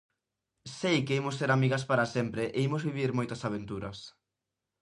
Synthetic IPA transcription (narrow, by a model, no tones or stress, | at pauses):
sejkeimʊseɾamiɣɐspaɾasempɾeʔeimozβiβiɾmojt̪ɐsaβent̪uɾɐs